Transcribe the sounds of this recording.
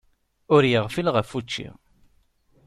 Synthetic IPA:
ʊɾjəʁfilʁəfut͡ʃːḭ

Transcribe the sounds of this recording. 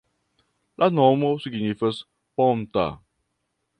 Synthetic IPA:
lanɔmosuɡinifəs | pɔmt̪a̰

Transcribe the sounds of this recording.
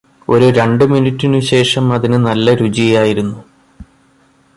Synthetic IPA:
o̞ɾuɾe̞ɳɖɨminitʲːinuɕe̞ːʂɐmɐðinɨnɐlːɐɾud͡ʑijaːjiɾunːu

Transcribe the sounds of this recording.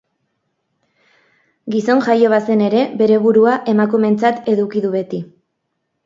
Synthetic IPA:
ɡiso̞nʝajo̞β̞ase̞ne̞ɾe̞be̞ɾe̞βuɾuaʔe̞makume̞nt͡sat̪e̞ðukiðuβe̞t̪i

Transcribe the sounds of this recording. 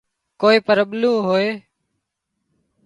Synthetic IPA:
koːiːpəɾəɓlũːɦoːeː

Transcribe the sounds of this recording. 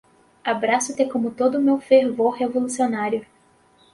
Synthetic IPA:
abɾasʊt̪ẽkõmʊt̪od̪ʊːmewfeɾvoɾhevolusionaɾjʊ

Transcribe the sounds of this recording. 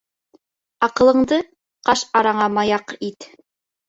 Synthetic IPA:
ɑqɤ̆lˠɤ̆ɴd̪ɤ | qɑʃɑɾɑɴɑmɑjɑqit̪

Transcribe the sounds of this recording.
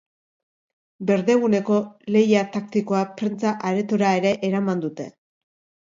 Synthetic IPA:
be̞ɾðe̞ɣ̞une̞ko̞le̞jat̪ak̚t̪iko̞apɾent͡saʔaɾet̪oɾae̞ɾe̞ʔeɾamand̪ut̪e̞

